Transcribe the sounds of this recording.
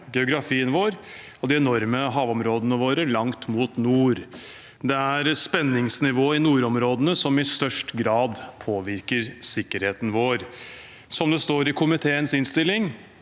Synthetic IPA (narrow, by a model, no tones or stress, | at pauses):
ɡɛʊɡɾɑfiːənʋoːɾ | ɔd̪ɪɛnɔɾməɦɑːʋɔmɾoːd̪ənəʋoːɾəlɑŋt̪muːt̪nuːɾ | d̪ɛæɾspɛnːɪŋsnɪʋoːɪnuːɾɔmɾoːd̪ənəsɔmɪst̪œʂʈɡɾɑːd̪pʰoːʋɪɾkəɾsɪkːəɾheːt̪n̩ʋoːɾ | sɔmd̪ɛst̪oːɾɪkʰʊmɪt̪ʰeːənsɪnst̪ɪlːɪŋ